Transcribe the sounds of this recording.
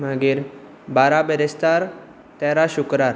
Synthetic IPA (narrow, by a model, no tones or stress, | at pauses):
maɡiːɾ | baɾabeɾest̪aɾ | t̪ɛɾaɕukɾaɾ